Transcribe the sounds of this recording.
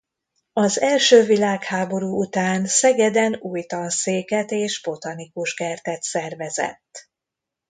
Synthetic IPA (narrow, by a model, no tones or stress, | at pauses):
ɒzɛlʃøːvilaːkhaːbo̞ɾuːut̪aːnsɛɡɛd̪ɛnuːjt̪ɒnseːkɛt̪eːʃbo̞t̪ɒnikuʒkɛrt̪ɛt̪sɛrvɛzɛ̰t̪ː